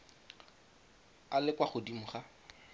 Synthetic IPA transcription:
alɪkwaχʊdim̩χa

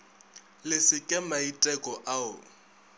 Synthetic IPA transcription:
lɪsɪkʼɛmaitʼɛkʼɔʔaʊ̰

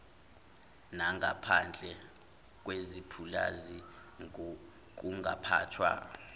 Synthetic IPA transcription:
naŋʱapʰand͡ɮʱɛ | k̬ʼwezipʰulazi | ŋ | k̬uŋɡʱapʰa̰ːtʰwa̰

